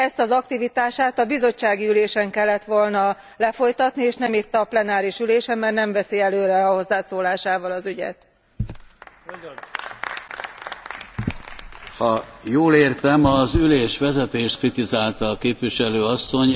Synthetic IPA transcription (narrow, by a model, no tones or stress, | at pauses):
ɛst̪ɒzɒkt̪ivit̪aːʃaːt̪ɒbizo̞t͡ʃːaːɡiyleːʃɛŋkɛlːɛt̪ʋo̞lnɒ | lɛfo̞jt̪ɒt̪nieːʃnɛmit̪ːɒplɛnaːɾiʃyleːʃɛmːɛrnɛɱvɛsiɛløːɾɛɒho̞zːaːsoːlaːʃaːvɒlɒzyɟɛ̰t̪ | hɒjoːleːrt̪ɛmɒzyleːʃʋɛzɛt̪eːʃt̪̚krit̪izaːlt̪ɒːkeːpviʃɛløːɒsːo̞ɲ